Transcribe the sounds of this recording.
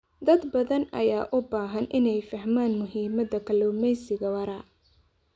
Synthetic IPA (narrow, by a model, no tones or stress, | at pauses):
d̪ɐd̪bɐðɐnɐ̰jaːʔʊbaːɦɐnʔɪnɛjfɐhmaːnmʊɦiːmɐðɐkʰɐlɔwmɛjsɪɣɐwɐɾɐ